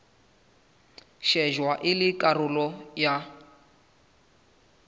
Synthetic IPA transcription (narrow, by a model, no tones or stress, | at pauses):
ʃɛʒwaʔɪlɪkʼarʊlɔja